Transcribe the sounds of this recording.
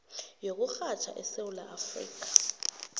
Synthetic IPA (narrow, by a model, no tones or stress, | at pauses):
jok̬uxat͡ʃʰa̰ʔɛsewulaːfrḭːk̬ḁ